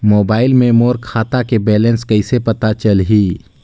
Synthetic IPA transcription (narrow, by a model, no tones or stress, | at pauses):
moːbaːɪlmẽmoːɾkʰaːt̪akebɛːlənskəɪsepət̪at͡ʃəlɦiː